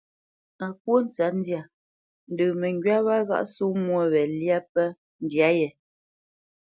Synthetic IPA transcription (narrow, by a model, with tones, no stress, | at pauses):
a˨p̚wo˦n̩˦t͡sa˦n̩˦dja˨ | n̩˦də˨mɛ˨ŋɡɥa˦βa˦ɣa̰˦ʔsu˦mwo˦βɛ˨lja˦pɛ˦ | n̩˦dja˦jɛ˨